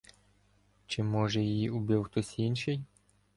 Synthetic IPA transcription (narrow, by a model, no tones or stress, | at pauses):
t͡ʃɪmɔʒɛjɪjiʊbʲiwxt̪ɔsʲinʲʃɪj